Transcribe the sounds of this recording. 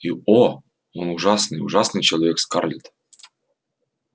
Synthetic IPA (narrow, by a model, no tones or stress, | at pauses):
io | onuʐɑsnɨjṵʐɑsnɨjt͡ɕelˠɐvʲekskɑrlʲit̪